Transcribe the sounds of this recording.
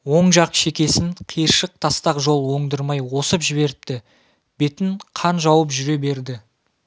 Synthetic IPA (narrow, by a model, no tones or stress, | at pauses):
wo̞ɴʒɑqʃe̞kʲe̞sɪŋqʰijɾʃəq̚t̪ʰɑst̪ɑqʒo̞lˠwo̞ɴd̪əɾmɑjwo̞səpʒɪβe̞ɾɪp̚t̪ɪ | b̥e̞t̪ɪɴqʰɑnʒɑwəpʒʏɾe̞be̞ɾd̪ɪ